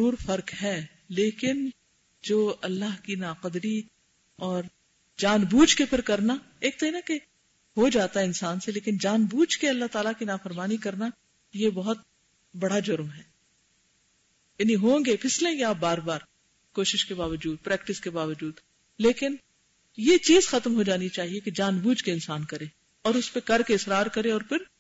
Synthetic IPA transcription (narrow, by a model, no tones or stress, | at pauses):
ɾuːɾfɐɾkɦɛː | leːkɪn | d͡ʒoːɐlːaɦkinaːqəd̪ɾi | ɔːɾ | d͡ʒaːnbuːd͡ʒkepʰɪɾkɐɾnaeːk̚t̪oɦinake | ɦod͡ʒaːt̪aɦɛɪnsaːnseleːkɪnd͡ʒaːnbuːd͡ʒkeɐlːaɦt̪aːlakinaːfəɾmaːnikɐɾna | jebɐɦʊt̪̚ | bɐɽad͡ʒʊɾmɦɛː | jaːniɦõːŋɡepʰɪslẽːŋɡeaːbaːɾbaːɾ | koːʃɪʃkebaːʋəd͡ʒuːd̪̚pɾɛːk̚ʈɪskebaːʋəd͡ʒuːd̪ | leːkɪn | jet͡ʃiːzxɐt̪mɦod͡ʒaːnit͡ʃaːɦieked͡ʒaːnbuːd͡ʒkeɪnsaːnkɐɾẽː | ɔːɾʊspekɐɾkeɪsɾaːɾkɐɾẽɔːɾpʰɪɾ